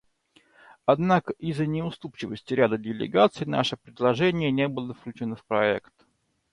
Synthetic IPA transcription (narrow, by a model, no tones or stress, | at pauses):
ɐd̪nakəʔizənʲɪʊst̪upt͡ɕɪvəsʲtʲɪɾʲad̪ədʲɪlʲɪ̰ɡat̪sɨjna̰ʂəpɾʲɪd̪lˠɐʐɛnʲɪjənʲebɨlˠəfklʲʉt͡ɕɪnofpɾɐɛ̰kt̪